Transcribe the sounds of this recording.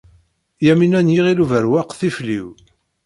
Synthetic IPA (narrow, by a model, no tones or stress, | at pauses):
jæminænjiʁiluvəɾwæqθiflḭw